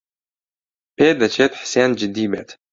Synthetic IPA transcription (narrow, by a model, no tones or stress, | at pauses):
pʰeːd̪at͡ʃʰet̪ʰħsand͡ʒɪd̪ibatʰ